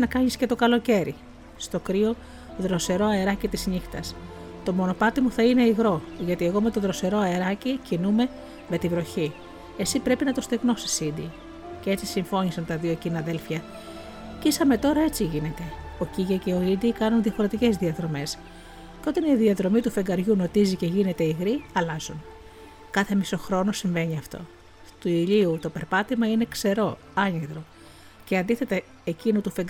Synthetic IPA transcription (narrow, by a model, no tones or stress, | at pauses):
nɐkɐɲisce̞t̪o̞kɐlo̞ce̞ɾi | st̪o̞kɾio̞ | oðɾo̞se̞ɾo̞ɐeɾɐcit̪izɲixt̪ɐs | t̪o̞mo̞no̞pɐt̪imuθɐine̞iɣɾo̞ʝɐt̪ie̞ɣo̞me̞t̪o̞ðɾo̞se̞ɾo̞ɐeɾɐcicinume̞ | me̞t̪ivɾo̞çi | esipɾe̞pinɐt̪o̞st̪eɣno̞si̥sid̪i | cee̞t͡sisiɱfo̞ɲisɐnt̪ɐðioecinɐːðe̞lfçɐ | cisɐme̞t̪o̞ɾɐe̞t͡siʝine̞t̪e̞ociʝɐce̞o̞id̪ikɐnunðiɐfo̞ɾe̞t̪ice̞zðiɐðɾo̞me̞s | ceo̞t̪ɐniðiɐðɾo̞mit̪ufe̞ŋɡɐɾʝuno̞t̪izice̞ʝine̞t̪e̞iɣɾiɐlɐzun | kɐθemiso̞xɾo̞nosiɱve̞ɲiɐft̪o̞̰ | t̪uiʎiut̪ope̞ɾpɐt̪emɐine̞kse̞ɾo̞ | ɐɲiðɾo | ceɐnd̪iθe̞t̪ɐ | ecinut̪ufeŋɡ